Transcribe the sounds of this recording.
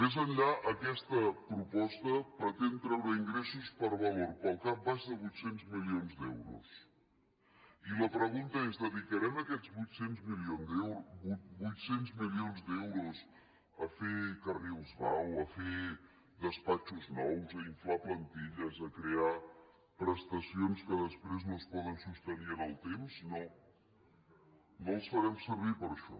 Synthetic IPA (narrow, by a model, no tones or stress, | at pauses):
mezənʎaʔəkɛst̪əpɾupɔst̪əpɾət̪ent̪ɾɛwɾəiŋɡɾɛsuspəɾβəloɾpəlˠkap̚baʃðəβujt̪senzmilionzd̪ɛwɾṵs | iləpɾəɣunt̪əezðəðikəɾɛməkɛd͡zβujt̪senzmilionɛubujt̪senzmilionzd̪ɛwɾuz | əfekəriwzβawəfe | ðəspat͡ʃuznɔwzəiɱflaplənt̪iʎəzəkɾea | pɾəst̪əsionskəðəspɾeznospɔðənsust̪əniənəlˠt̪emsno | nolˠsfəɾɛmsəɾβ̞ipəɾʃɔ̰